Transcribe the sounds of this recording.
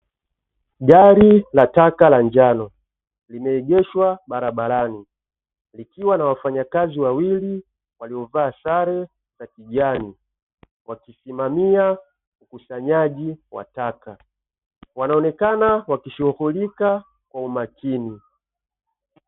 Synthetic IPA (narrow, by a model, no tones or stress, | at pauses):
ɡaɾilatakalaɲd͡ʒanɔ | limɛːɡɛʃwaɓaɾaɓaɾani | likiwanawafaɲakaziwawili | waliɔvaːsaɾɛ | katiʄani | wakisimamia | ukusaɲaʄiwa̰taka | wanaɔnɛkanawakiʃuhulika | kwaumakini